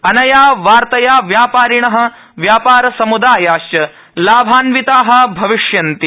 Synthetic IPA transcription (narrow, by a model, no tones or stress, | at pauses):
ɐnɐjaːʋaːɾt̪ɐjaːʋjaːpaːɾiɳɐɦɐ̆ | ʋjaːpaːɾɐsɐmud̪aːjaːʃt͡ʃɐ | laːbʱaːnʋit̪aːɦɐ̆bʱɐʋiʂjɐnt̪i